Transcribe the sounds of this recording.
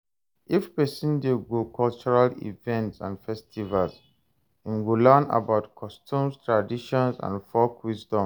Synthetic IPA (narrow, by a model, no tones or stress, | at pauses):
ʔifpɛsĩndeɡokʰɔlt͡ʃuɹalḭvɛ̃ntsã̰nfɛstivals | ĩnwilɛna̰baʊtkʰɔstʰũmstʰɹadiʃɔ̃nsã̰nfɔkwisdɔ̃m